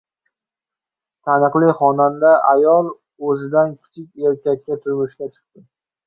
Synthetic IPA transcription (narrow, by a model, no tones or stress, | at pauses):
t̪ʰanɨqlˠɪχɒnand̪aʔajɒlˠ | ɵzɪd̪ankʲʰɪ̥t͡ʃʰɪkʲeɾkʲak̚ʲkʲat̪ʰʊɾmʊʃkʲat͡ʃʰɨ̥q̚t̪ɪ